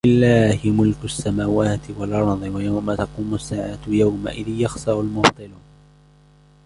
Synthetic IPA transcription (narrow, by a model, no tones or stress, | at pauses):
ɪlːaːhɪmʊlkʊʔasːamaːwaːt̪ɪwalʔɑɾˤðˤɨwajawmat̪ɑquːmʊsːaːʕaːt̪jawma̰ʔɪðɪːjɑxsɑɾʊlmʊbt̪ˤɨluːn